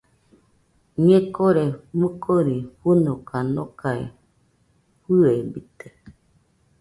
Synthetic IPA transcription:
ɲẽkoɾemɨkʰoɾiɸunokanokaḛ | ɸɨebit̪e

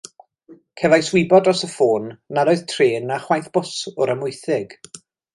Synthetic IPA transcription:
kʰɛvajswɪbɔdɔsəfoːnːaɾoɨðtʰreːnaχwajθb̥ʊsʊɾəmʊɨθɪɡ̥

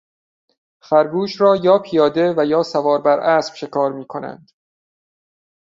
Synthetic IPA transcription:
fæɾbuːʃɾɒːjɒːpʰijɒːd̪e̞væjɒːsævɒːɾbæɾʔæːsb̥ʃe̞kʰɒːɾmiːkʰo̞næ̰nd̪̥

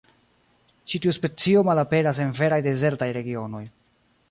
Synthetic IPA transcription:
t͡ʃitiuspe̞t͡sio̞malape̞ɾas̬e̞nve̞ɾajde̞ze̞ɾtajɾe̞ɡio̞no̞j

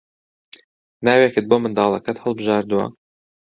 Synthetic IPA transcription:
naːwekɨt̪̚boːmɨnd̪ɑːlˠɐkɐt̪həlˠbɨʒɑːɾd̪uwɐ̰

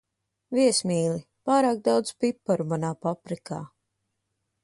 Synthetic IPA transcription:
viɛsmiːli | paːɾaːk̚d̪awd̪spipːaɾumanaːpapɾikaː

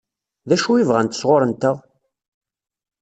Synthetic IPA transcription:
ðæʃuivʁænt̪ə̥sʁoɾˤənt̪əʁ

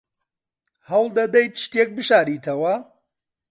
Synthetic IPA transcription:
hɐwlˠd̪ɐd̪ɐjt̪ʃt̪ek̚bɨʃaːɾiːt̪ʰɐwɐ

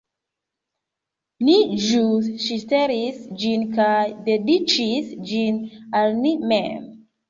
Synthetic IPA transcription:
nid͡ʒusʃiteɾisd͡ʒinkajdedit͡ʃisd͡ʒinalnimḛm

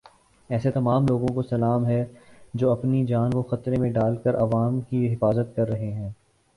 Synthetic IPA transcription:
ɛːset̪ɐmaːmloːɡõkosɐlaːmɦɛd͡ʒoːɐpnid͡ʒaːnkoxɐt̪ɾẽmẽɖaːlkəɾʔɐʋaːmkiɦɪfaːzət̪̚kɐɾːɐɦeɦɛ̃ː

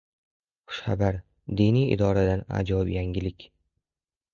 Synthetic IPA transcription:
χʊ̥ʃχabaɾ | d̪inijɪ̰d̪ɒɾad̪ana̰d͡ʒɒbjaŋʲɪlɪkʲ

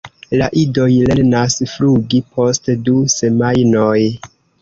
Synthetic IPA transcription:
laʔido̞jle̞ɾnasfluɡipʰo̞stduse̞majnoj

